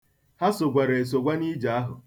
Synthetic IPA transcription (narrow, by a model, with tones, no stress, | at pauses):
ha˦sʊ˨ɡʷa˨ɾe˨s̬o˨ɡʷa˦ni˦d͡ʒa˨a˦ɦʊ̰˨